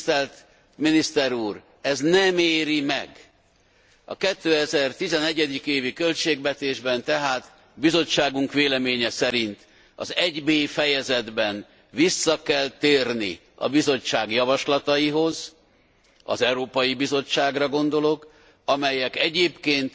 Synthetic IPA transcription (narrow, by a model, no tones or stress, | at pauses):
t̪ɛlt̪ | minist̪ɛɾuːr | ɛznɛmeːɾimɛ̰ɡ | ɒ̰kɛt̪ːøːɛzɛrt̪izɛnɛɟɛd̪ikeːvikø̞lt͡ʃeːɡvɛt̪eːʒbɛnt̪ɛɦaːt̪ | bizo̞t͡ʃːaːɡuŋkʋeːlɛmeːɲɛsɛɾint̪ | ɒ̰zɛɟbeːfɛjɛzɛd̪bɛn | visːɒkɛlt̪eːrnḭ | ɒ̰bizo̞t͡ʃːaːɡjɒvɒʃlɒt̪ɒjiɦo̞z | ɒ̰zɛwɾoːpɒjibizo̞t͡ʃːaːɡrɒɡo̞nd̪o̞lo̞k | ɒmɛjɛkɛɟeːpkeːnt̪